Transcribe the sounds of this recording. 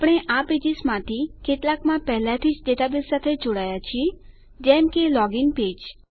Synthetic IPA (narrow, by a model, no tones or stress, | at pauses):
pɽ̃eʔaped͡ʒismãt̪ʰikeʈlakmãpɛɦlat̪ʰit͡ʃɖeʈ̪abilsat̪ʰed͡ʒoɽaːjat͡ʃʰie | d͡ʒɛ̃mkelɔːɡɪŋɡpeːd͡ʒ